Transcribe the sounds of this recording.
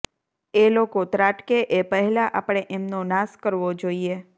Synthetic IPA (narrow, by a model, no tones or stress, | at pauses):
elokot̪ɾaʈkeʔepəɦɛlaʔapɽ̃eʔemnonaskəɾʋod͡ʒoie